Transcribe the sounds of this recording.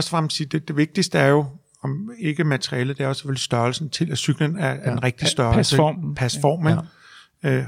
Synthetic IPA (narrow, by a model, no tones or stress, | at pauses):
ɒsfɑɑmsiːd̥ed̥e̝ʋe̝ɡ̥̚d̥isd̥əæɐjo̝ | ɒ̽me̝ɡ̥əmæt͡sʰʁiɛːlð̩d̥eɐosefølisd̥ɶɐlsn̩t͡sʰe̝læsyɡ̥lənææd̥enʁeɡ̥̚d̥isd̥ɶɐlsəpʰæsfɒ̰ːme | ø